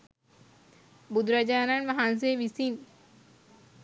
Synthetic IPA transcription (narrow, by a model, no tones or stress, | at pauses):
bud̪ɾad͡ʒaːnanʋɐɦans̬eʋisin